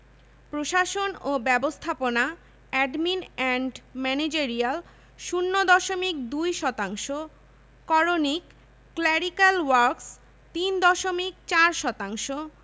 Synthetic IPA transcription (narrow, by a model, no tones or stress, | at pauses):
pɾoʃaʃonobɛbost̪ʰapona | ɛɖminɛɳɖmɛned͡ʑeɾial | ʃunːod̪ɔʃomik̚d̪ujʃɔt̪aŋʃo | kɔɾonikː | lɛɾikalwaɾks | t̪ind̪ɔʃomik̚t͡ɕaɾʃɔt̪aŋʃo